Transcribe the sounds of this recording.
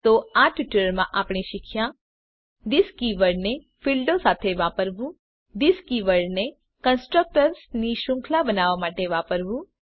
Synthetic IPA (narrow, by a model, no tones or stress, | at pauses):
t̪oaʈuʈələɾmãʔapɽ̃iʃɪkʰja | d̪ɪskiʋəɾne | filɖosat̪ʰeʋapəɾʋũ | d̪iskiʋəɾne | kənsʈɾək̚ʈəɾsniʃʊ̃ŋkʰlabənaʋamaʈeʋapəɾʋũ